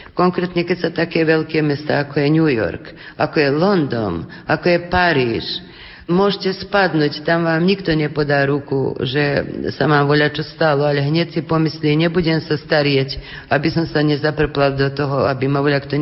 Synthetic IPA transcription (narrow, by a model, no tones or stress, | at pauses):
kɔŋkɾɛt̪ɲɛkɛcʲsat̪akɛʋɛlkɛmɛst̪a̰akɔjɛɲujɔ̰rkakɔjɛlɔnd̪ɔ̰n | akɔjɛpaɾiːʃ | mʊɔʒcʲɛspad̪nuːct̪amʋaːmɲikt̪ɔɲɛpɔd̪aːɾukṵʒɛsamaːmʋɔlat͡ʃɔst̪alɔalɛɦɲɛt̪sipɔmisliɲɛbuɟɛmsast̪aɾjɛc | abisɔmsaɲɛzapr̩plald̪ɔt̪ɔɦɔabimaʋɔlakt̪ɔ